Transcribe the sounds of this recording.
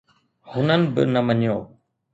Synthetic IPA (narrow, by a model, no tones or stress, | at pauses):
hʊnənɪ̆bɪ̰nɐməɲjoː